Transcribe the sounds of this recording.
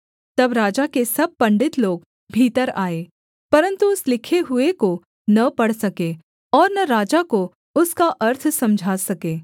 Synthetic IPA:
t̪ɐbɾaːd͡ʒakesɐb̚pːɐ̃ɳɖɪt̪loːɡ | bʱiːt̪əɾaːeː | pɐɾə̃nt̪uʊslɪkʰeɦʊeko | nɐpɐɽsɐkeː | ɔːɾnɐɾaːd͡ʒako | ʊskaʔɐɾt̪ʰsɐ̃md͡ʒʱaːsɐkeː

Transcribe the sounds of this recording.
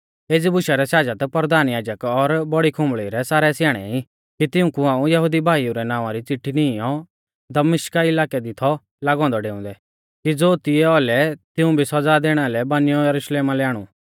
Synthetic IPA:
eːd͡zibʊʃaɾɛsaːd͡ʒat̪pɾd̪aːnjaːd͡ʒəkɔɾbɔɽikʰʊ̃mbɭiɾɛsaːɾɛsjaːɽ̃ɛ̰ĩ | kit̪ɪʊ̃kuãːũjɐɦuːd̪ibʱaːiuɾɛnaːʋ̃ãɾit͡sɪʈʰːiniɔ | d̪ɐmɪʃkaɪlaːkɛd̪it̪ʰɔ | laːɡɔ̃ːnd̪ɔɖeːʊ̃ːnd̪ɛ | kid͡zoːt̪ɪɛɔlɛt̪ɪũbʱisɔd͡zad̪eːɽ̃alɛbanɪjɔjɐɾʊʃleːmalɛaːɽ̃ṵ

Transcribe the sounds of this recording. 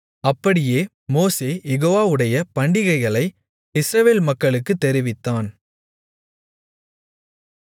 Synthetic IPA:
ɐpːɐɽɪjeː | moːseːjɛɣoːʋaːɯɽɐjɐpɐɳɖɪɣɐɪɣɐɭɐɪ | ɪsɾɐʋeːlmɐkːɐɭɯkːɯt̪ːɛɾɪʋɪt̪ːaːn

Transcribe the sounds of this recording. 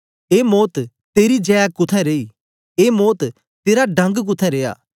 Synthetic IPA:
eːmoːt̪ | t̪eːɾid͡ʒɛːjakʊt̪ʰɛ̃ɾeːiː | eːmoːt̪ | t̪eːɾaɖɐ̃ŋɡk̬ʊt̪ʰɛ̃ɾeːja̰ː

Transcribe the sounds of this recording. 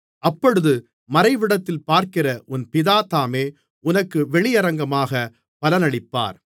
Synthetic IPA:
ʔɐpːɔɽɯðɯ | mɐɾɐɪʋɪɽɐt̪ːɪlpaːɾkɪrɐʔʊnpɪðaːt̪aːmeː | ʊnɐkːɯʋɛɭɪjɐɾɐŋɡɐmaːɣɐ | pɐlɐnɐɭɪpːa̰ːɾ

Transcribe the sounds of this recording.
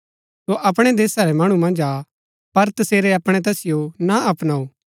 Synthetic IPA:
soʔɐpɽ̃ɛd̪eːsaɾɛmɐɽ̃umɐ̃nd͡ʒaː | pɐɾt̪ɐseːɾeɐpɽ̃ɛt̪̬ɛːsɪjonaʔɐpnaːoː

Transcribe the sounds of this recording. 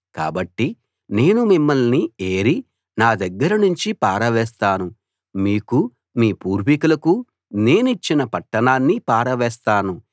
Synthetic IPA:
ka̰ːbɐʈːi | ne̞ːnumimːɐlnieːɾi | naːd̪ɐɡːɐɾɐnuɲt͡ʃipaːɾɐʋɛːst̪aːnu | miːku | miːpuːɾʋikulɐku | ne̞ːnuit͡ʃːinɐpɐʈːɐnaːnːipaːɾɐʋɛːst̪aːnu

